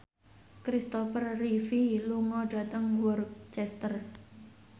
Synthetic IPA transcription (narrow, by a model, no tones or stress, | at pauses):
kɾist̪ɔfərrifiluŋɔɖ̥ä̤t̪əŋwɔrkt͡ʃɛst̪ər